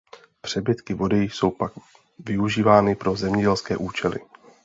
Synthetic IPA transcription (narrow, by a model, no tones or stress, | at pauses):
pr̝̥ɛbɪt̪kɪvo̞dɛjixso̞wpak | vɪuʒiːvaːnɪpɾo̞zɛmɲɛɟɛlskɛːʔuːt͡ʃɛlɪ̰